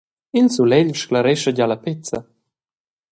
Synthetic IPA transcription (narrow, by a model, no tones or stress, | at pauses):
insulɛʎʃklaɾɛʃəɟalapet͡sa̰